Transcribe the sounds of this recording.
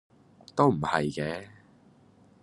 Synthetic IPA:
t̪o˥wm̩˨˩hɐ̰˨jkɛː˨˥

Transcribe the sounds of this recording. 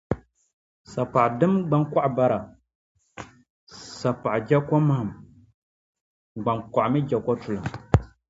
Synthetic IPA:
sa˨pa˨dɨ˦mɡ͡ba˦nka˦ʔba˦ɾa˨ | sa˨pa˨ʔd͡ʒɛ˦kɔ˦ma˦hm | ɡ͡ba˨nka˨ʔmɨ˦d͡ʒɛ˨kɔ˦tʊ˨lɨ˨m

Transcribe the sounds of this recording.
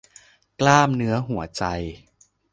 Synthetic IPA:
klaː˥˩mnɯ˦˥ɐɦu˩˦ɐt͡ɕa˧j

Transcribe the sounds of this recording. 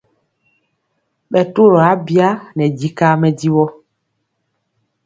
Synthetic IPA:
ɓɛ˨to˦ɾɔ˨a˦bi˦a˦nɛ̃˨d͡ʒi˦ka˦mɛ˦ɟi˦wɔ˦

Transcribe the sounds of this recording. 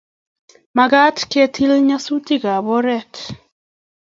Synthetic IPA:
ma˨ɡa˦tkɛ˦tʰi˦lɲa˦su˦ti˦ɡa˨bɔ˦ɾɛ˦t

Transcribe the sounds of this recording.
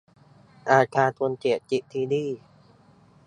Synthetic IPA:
ʔaː˧˩kʰaː˧t̪ʰu˧ənt͡ɕe˨˩t͡ɕi˧˩t̪ʰiː˧diː˥˩

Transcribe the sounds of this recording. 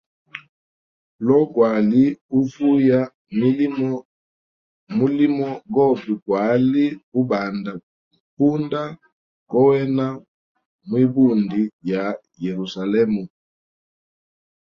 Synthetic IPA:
lɔ˦kwa˨li˦u˦vu˦ja˦ | m˦ | mu˦li˦mɔ˦ɡɔ˦bi˨kwa˨˦li˦u˦ba˨nda˨ | pu˦nda˦ | kɔ˦wɛ˦na˦ | mwi˦bu˦˨ndi˨ja˨ | jɛ˨ɾu˨sa˨lɛ˦mu˨

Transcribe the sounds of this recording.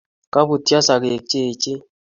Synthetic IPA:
ka˦pu˨tja˦sa˨ke˨k̚t͡ʃe˦˨t͡ʃe˦

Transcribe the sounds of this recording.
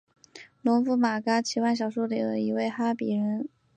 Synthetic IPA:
lɔ˧˥ŋfu˧˥˩ma˨˩ka˥t͡ɕʰi˧˥wa˥˩nɕjɑ˨˩ʊʂɔ˥lḭ˨˩d̪ə˦i˧˥we˥˩ɪxa˥pi˨˩ɻə˧˥n

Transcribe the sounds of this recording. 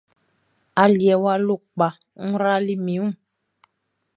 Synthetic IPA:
a˨li˨ɛ˨wa˦lo˦˨k͡pa˨ | ŋ̩˦ɾa˦li˦mĩ˨˦ũ˦

